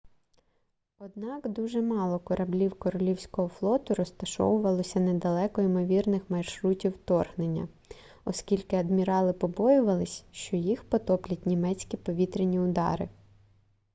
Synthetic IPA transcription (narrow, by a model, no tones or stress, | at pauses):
ɔd̪̚nɑkd̪uʒɛmɑlˠɔkɔɾʔɐblʲiwkɔɾɔlʲiwsʲkɔɦɔflˠɔt̪ʊɾɔst̪ɐʃɔ̰wʊʋɐlˠɔsʲɐned̪ɐlˠɛkɔimɔʋʲirnɪxmɐjʃɾutʲiwt̪ɔrɦnenʲːɐ̰ | ɔskʲilʲkɪɐd̪mʲiɾɑlˠɪpɔbɔjʊʋɐlˠɪsʲʃt͡ʃɔjixpɔt̪ɔplʲɐtʲnʲimɛt͡sʲkʲipɔʋʲit̪ɾenʲiʊd̪ɑ̰ɾɪ̰